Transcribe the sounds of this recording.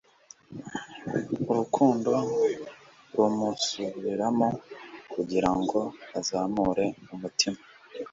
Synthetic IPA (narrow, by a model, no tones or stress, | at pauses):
uɾukʰuːndo̞ | ɾumusuβiɾamokuɟiɾaŋɡo̞azaːmuɾe̞umutʰima